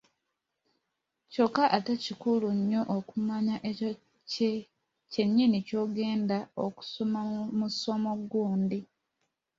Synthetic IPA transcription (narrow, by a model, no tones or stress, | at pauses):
co̞kːaʔatacikuluɲːo̞ʔokumaɲaʔeo | ce | ce̞ɲːinico̞ːɡe̞ːndao̰ku̥so̞mamuso̞moɡuːndi